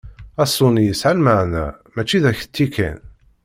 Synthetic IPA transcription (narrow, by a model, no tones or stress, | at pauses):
æsˤːʊnjəsʕalməʕnæ̰mæt͡ʃːiðæçə̥t̪ːikæ̰n